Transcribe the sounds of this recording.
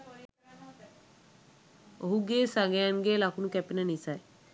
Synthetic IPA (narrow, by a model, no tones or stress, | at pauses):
oɦuɡeːsaɡejanɡelakʰunukɛpinənisaj